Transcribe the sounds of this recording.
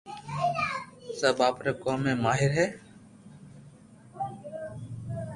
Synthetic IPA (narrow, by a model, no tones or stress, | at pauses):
səːbaːpɾeːkoːmeːmaːɦɪɾɦɛː